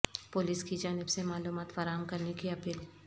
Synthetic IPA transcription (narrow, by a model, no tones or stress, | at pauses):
pʊːliːskid͡ʒaːnɪbsemaːluːmaːt̪faːɾaːmkɐɾnekiɐpiːl